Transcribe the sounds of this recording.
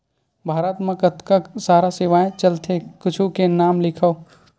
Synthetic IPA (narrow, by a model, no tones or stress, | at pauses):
bʱaːɾət̪mãkɐt̪kasaːɾasɪʋaːẽt͡ʃɐlt̪ʰekʊt͡ʃʰukenaːmlɪkʰəo